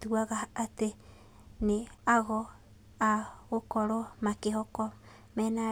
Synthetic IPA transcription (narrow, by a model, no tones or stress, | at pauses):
tuaɣaːte | neaɣɔ | aɣokɔɾɔmakeɦɔkɔ | mɛːna